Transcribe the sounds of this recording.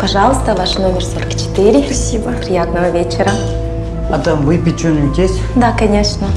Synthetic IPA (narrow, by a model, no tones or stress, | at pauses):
pɐʐɑlˠəst̪əvaʂnomʲɪrsoɾəkt͡ɕɪ̥t̪ɨɾʲɪɐsʲibəpɾʲɪjat̪nəvəvʲet͡ɕɪɾə | ɐt̪ɐmvɨpʲit͡ʃønʲukʲesʲ | d̪akɐnʲeʂnə